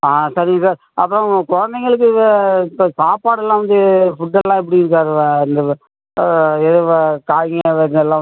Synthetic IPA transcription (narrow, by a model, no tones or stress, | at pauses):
aːsaɾiŋɡɐsaːɾ | ɐpːɯɾõkɔɻɐnd̪ɐɪŋɡɐɭɯkːɯɐɪpːosaːpaːɽɛlːãːʋɐnd̪ɯfʊʈːɐlːãːɛpːɐɽiɪɾɯk̬ːaːɾɯ̃ɪnd̪ɐ | ɛðɯʋɐkaːjŋɐʋɐɛlːãː